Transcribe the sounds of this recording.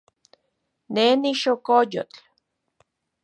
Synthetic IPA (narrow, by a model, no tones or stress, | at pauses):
neniʃokojo̰t͡ɬ